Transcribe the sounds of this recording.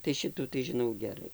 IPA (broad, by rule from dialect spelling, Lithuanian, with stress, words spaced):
tɐɪ ˈʃʲɪtuː tɐɪ ʒʲɪˈnɐʊ ɡʲɛˈrɐɪ